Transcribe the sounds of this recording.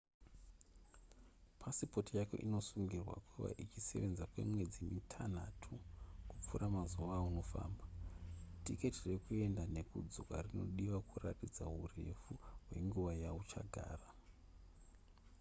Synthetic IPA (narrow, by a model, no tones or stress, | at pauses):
pʰasipo̞tijakḛʔino̞suŋɡirwa̰kʰuʋa̰ʔit͡ʃise̞ʋe̞nzakwe̞̰mwe̞d͡zimitʰan̤atʰukup͡furʔamazuʋauno̞fa̰ːmbatike̞tire̞kue̞ndane̞kud͡zokarino̞̰ɗiʋakʰuratid͡zaɦure̞fuɦwe̞̰ŋɡuʋajaut͡ʃaɡʱa̰ːra